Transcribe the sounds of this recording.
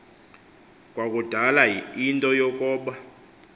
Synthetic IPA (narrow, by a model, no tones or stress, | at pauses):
k̬ʼwak̬ʼud̥ʱalaintʼɔjɔk̬ʼɔːɓa